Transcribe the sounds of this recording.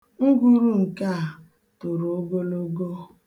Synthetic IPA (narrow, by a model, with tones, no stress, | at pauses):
ŋ̩˦ɡʷu˦ɾu˦ŋ̩˨ka˦˨ | to˨ɾu˨o˦ɡo˦lo˦ɡo˦